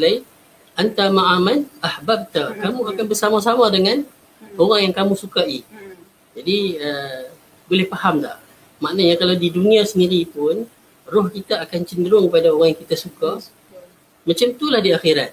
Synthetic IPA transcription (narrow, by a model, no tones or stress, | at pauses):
lai | ʔant̪amaʔamanahbab̚t̪akamũakanbərsamas̬amãdəŋãn | oɾaŋjaŋkamũsukai | d͡ʒadiə | bolɛhfahamla̰ʔ | maʔnaɲakalawdidunĩasəndiɾipʊn | rʊhkit̪aːkant͡ʃəndəɾʊŋkəpadaoɾaŋjaŋkit̪asuka | mãt͡ʃamt̪ulahdiaxiɾat̪̚